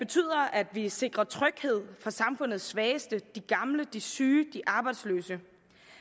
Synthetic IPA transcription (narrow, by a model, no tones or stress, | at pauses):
b̥e̝t͡sʰy̰ð̰ˠɐʔæd̥ʋise̝ɡ̥ʁɐt͡sʰʁœɡ̥he̝ð̞̰ˠfʁɑ̈sɑ̈mfɔ̽n̰ð̩ˠsːʋɛːsd̥əd̥iɡ̥ɑ̈mləd̥isyːd̥iʔɑ̈ːb̥ɑ̈ɪd̥sløːsə